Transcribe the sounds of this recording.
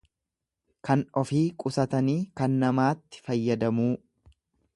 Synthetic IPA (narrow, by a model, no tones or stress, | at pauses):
kɐnɔfiːkʼʊsɐt̪ɐniːkɐnːɐmaːt̪ːɪ̥fɐjːɐd̪ɐmuː